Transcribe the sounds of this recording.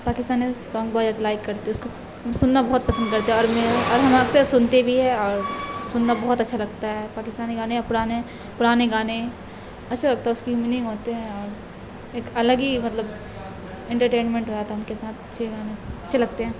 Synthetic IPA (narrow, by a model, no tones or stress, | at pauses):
paːkɪst̪aːnesɔːŋɡbɔːaːd̪alaːɪkːɐɾt̪eʊsko | sʊnːabɐɦʊt̪̚pɐsə̃nd̪̚kɐɾt̪eɦɛ̃ɔːɾmeɔːɾɦɐmaːksesʊnt̪ebʱiɦɛɔːɾsʊnːabɐɦʊt̪ɐtːʃʰalɐɡ̚t̪aɦɛpaːkɪst̪aːniɡaːnejapʊɾaːne | pʊɾaːneɡaːne | ɐtːʃʰalɐɡ̚t̪aɦɛʊskimɪnĩŋɦoːt̪eɦɛ̃ɔːɾ | eːkɐləɡimɐt̪ləb | ɛ̃ɳʈəɾʈẽːnmɛ̃ɳʈɦoat̪ʰaɛʊnkesaːt̪ʰɐtːʃʰeɡaːneɐtːʃʰelɐɡ̚t̪eɦɛ̃ː